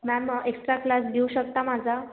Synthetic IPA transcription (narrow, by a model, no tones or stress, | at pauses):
naməeksʈɾaklasd̪euɕəkt̪amad͡zʱa